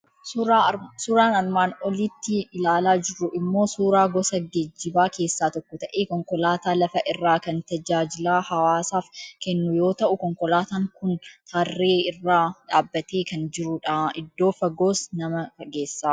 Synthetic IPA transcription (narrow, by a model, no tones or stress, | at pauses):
sʊːɾaːnɐrmaːnɔlit̪ːɪɪlaːlaːd͡ʒɪɾʊʔɪmːo̞ːsuːɾaːɡɔsɐɡɛd͡ʒːɪbaːke̞ːsːaːt̪ɔkːɔt̪ɐʔeːkɔŋkɔlaːt̪aːlɐfɐʔɪrːaːkɐnt̪ɐd͡ʒaːd͡ʒɪlaːhɐwaːsaːfkɛnːʊjo̞ːt̪ɐʔʊkɔŋkɔlaːt̪aːŋkʊnt̪ʰaːrːeːɪrːaːᶑaːbːɐt̪eːkɐnd͡ʒɪɾʊᶑɐɪd̪ːo̞ːfɐɡo̞ːsnɐmɐkɐɡeːsːaː